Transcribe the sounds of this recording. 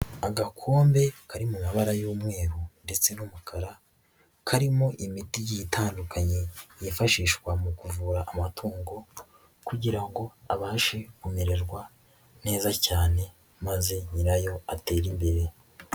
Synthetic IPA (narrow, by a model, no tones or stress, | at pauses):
aɡakʰoːmbe̞kʰaɾimumaβaɾajuːmŋe̞ːɾunde̞t͡se̞numukʰaɾa | kʰaɾimoʔimitijijitaːndukʰaɲe̞jefaʃiːʃkwamukuvuːɾaʔːmatʰuːŋɡo̞ | kuɟiɾaŋɡo̞aβaːʃekumeɾeɾɡwa | ne̞ːzacaːne̞ | maze̞ɲiɾajo̞ate̞ːɾimbe̞ɾe̞